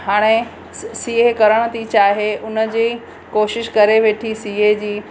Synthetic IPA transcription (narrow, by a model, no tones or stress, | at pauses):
ɦaːɽ̃e | siːekɐɾəɽ̃ə̆t̪it͡ɕaːɦeʔʊnə̆d͡ʑiː | koːʃɪʃkɐɾeʋeːʈʰisiːed͡ʑiː